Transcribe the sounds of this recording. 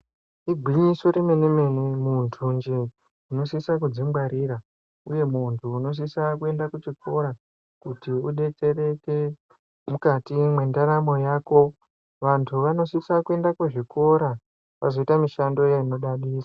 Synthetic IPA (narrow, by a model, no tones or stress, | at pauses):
iɡʱwiɲisoɾimeneme̞nemuntʰund͡ʒe | uno̞sisakud͡zimɡaɾiːra | uje̞muntʰuːno̞s̬isakue̞ndakut͡ʃikʰo̞ɾa | kutiuɗe̞t͡se̞ɾe̞ke | mukatimwe̞ndaɾamo̞jaːko̞ | ʋantʰuʋano̞sisakue̞ndakuʐiko̞ɾa | ʋazo̞itamiʃando̞jaino̞ɗaɗiːsḁ